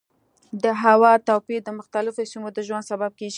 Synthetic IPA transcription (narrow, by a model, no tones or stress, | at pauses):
d̪əɦawɑt̪awpid̪əmʊxt̪alɪfosimod̪əʒwand̪sabab̚keɡi